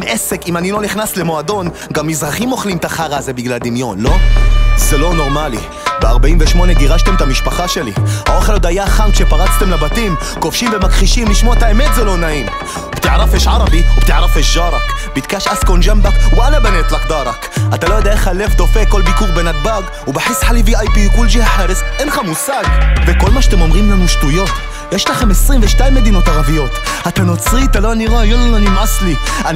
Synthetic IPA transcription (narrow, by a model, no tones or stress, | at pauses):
mʔesekimanilo̞niχnasle̞mo̞ad̪o̞n | ɡamːizʁaχimo̞χlimt̪aχaʁːze̞biɡlald̪imjo̞nlo̞zelo̞no̞ʁmalḭ | beaʁbaimveʃmo̞neɡiʁaʃt̪e̞mt̪amiʃpaχaʃe̞liao̞χe̞lod̪ajaχankʃe̞paʁat͡st̪e̞mlabat̪im | kofʃimve̞makχiʃimliʃmoet̪aeme̞t̪zelo̞naim | bt̪iʕaʁafeʃʕaʁabiubt̪iʕaʁafeʃʒaʁakbit̪kaːʃʔaskonʒambakwalabaneːt̪lakd̪ɑːɾˤɑkʔat̪aloːd̪axalːeːfd̪ofeːkolbikuːkbenaɡ̚baːɡ | wbaħɪsːħaliviːʔajpiːkulːʒihaħeɾɪsʔenxamuːsːaːɡbekʊlːmaʃt̪ɪmomɣiːmnɪlmʊʃt̪ujoːt̪ | jaʃt̪axamɪsːˤiːmbeʃt̪aːjmɪd̪iːnot̪aɣafɪjoːt̪ʔat̪anot̪sˤiːt̪aloːniɣɑːjʊlːanimʕɑsˤliʔa